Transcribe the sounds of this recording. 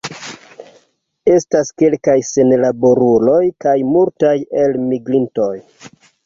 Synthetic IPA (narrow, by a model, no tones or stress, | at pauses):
e̞staske̞lkajse̞nlabo̞ɾulo̞jkajmultaje̞lmiɡɾinto̞j